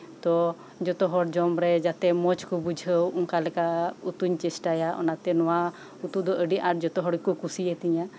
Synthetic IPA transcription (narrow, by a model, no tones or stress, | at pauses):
t̪ɔ | d͡ʒɔt̪ɔɦɔɽd͡ʒɔmɾɛd͡ʒat̪ɛmɔt͡ʃkubud͡ʒʱəwuŋkalɛkaut̪uɲt͡ʃɛsʈajaʔɔ̰nat̪ɛnɔwa | ut̪ud̪ɔʔəɖiʔaʈd͡ʒɔt̪ɔɦɔɽkukusiɛt̪iɲa